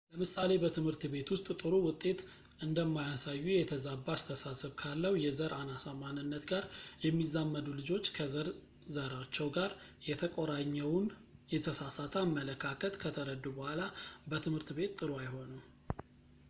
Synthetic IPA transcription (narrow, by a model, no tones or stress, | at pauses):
ləmɨsale̞bət̪ʰɨmhɨɾt̪be̞t̪wʊst̪ʼt̪ʼɨɾuwʊt̪ʼːe̞t̪ | ʔɨnd̪əmːajasajːujɛt̪ʰəzabːast̪ʰəsasɨβkʰalːəwujɛzəɾʔanasəmanɨnːət̪ɡaɾjɛmːizamːəd̪ulɨd͡ʒo̞t͡ʃːkʰəzəɾ | zəɾat͡ʃːɛwɡaɾjɛt̪ʰəkʼoɾaɲːɛwnjɛt̪ʰəsasat̪ʰamːələkʰakʰət̪kʰət̪ʰəɾəd̪ubəhʷalabət̪ʰɨmhɨɾt̪be̞t̪ːʼɨɾuajho̞num